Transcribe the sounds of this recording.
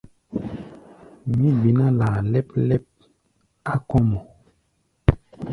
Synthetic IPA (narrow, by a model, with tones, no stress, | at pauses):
mĩ˦bi˨na˦la˨lɛ˦p̚lɛ˦p̚ | a˦kɔ˦mɔ˨